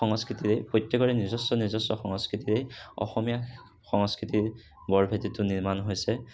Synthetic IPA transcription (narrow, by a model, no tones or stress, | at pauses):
ɔŋskɹitiɾejpɔjtːɔkɔɹɛnizɔsɔnizɔsɔxɔŋɔskɹitiɾejɔ̰xɔmija | xɔŋskɹitiɹ | bɔɹbʱetitʊniɹmanɦojsɛ